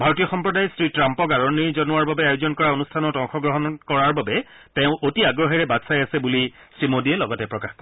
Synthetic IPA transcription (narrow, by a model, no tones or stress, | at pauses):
bʱaɹɔtijɔxɔmpɹɔdajsɹitɹampɔkaɹɔniɹzɔnʊaɹbabɛajʊzɔnkɔɹaonustʰanɔtɔŋxɔɡɹɔɦɔnkɔɹaɹbabɛ | tɛʊ̃ʔotiaɡɹɔɦiɹɛbatsajasɛbuli | sɹimodiɛlɔɡɔtɛpɹɔkaxkɔ